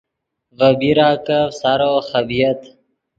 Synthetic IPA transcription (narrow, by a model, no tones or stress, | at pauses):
ɣəbiɾaːkəsaɾoxəbijət̪